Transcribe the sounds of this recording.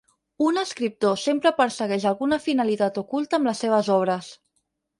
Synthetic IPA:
unəskɾip̚t̪osempɾəpəɾsəɣɛʒəlˠɣunəfinəlit̪at̪ukulˠt̪əːmləsːeβ̞əzɔβ̞ɾəs

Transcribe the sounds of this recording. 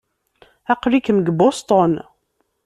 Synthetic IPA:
æqɾikəmɡbost̪ˤon

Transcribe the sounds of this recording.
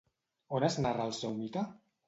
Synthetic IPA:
onaznaralˠsewmit̪a

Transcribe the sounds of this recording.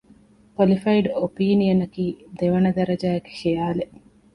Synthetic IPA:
polifɐiɖopiːnijɐnɐkiːd̪eʋɐnɐd̪ɐɾɐd͡ʒaːeke̥ʃijaːle

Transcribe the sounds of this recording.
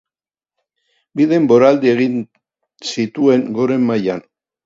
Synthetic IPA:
biðe̞mbo̞ɾald̪ie̞ɣin | sit̪ue̞ŋɡo̞ɾe̞mːajan

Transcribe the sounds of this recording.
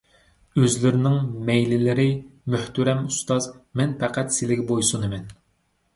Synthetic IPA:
øzlɪɾɪnɪŋmɛjlɪlɪɾɪmøht̪yɾɛmust̪ɑzmɛnpʰɛqʰæt̪sɪlɪɡʲbojsunɨmɛn

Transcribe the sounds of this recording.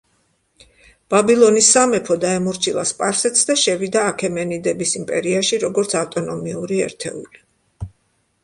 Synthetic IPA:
b̥abilˠɔnisːamɛpʰɔd̪aɛmɔɾt͡ʃʰilˠa̰spʼaɾsɛt̪sʰd̪aʃɛvid̪aːkʰɛmɛnid̪ɛbisimpʼɛɾiaʃiɾɔɡɔɾt̪sʰaft̪ʼɔnɔmiuɾiɛ̰ɾt̪ʰɛ̰ṵli

